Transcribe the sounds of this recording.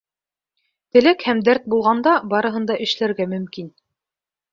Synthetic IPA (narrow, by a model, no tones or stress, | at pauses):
t̪ɘ̆lækhæmd̪æɾt̪̚bulˠʁɑnd̪ɑbɑɾɤ̆ɦɤ̆nd̪ɑʔɘ̆ʃlæɾɡæmɵ̆mkin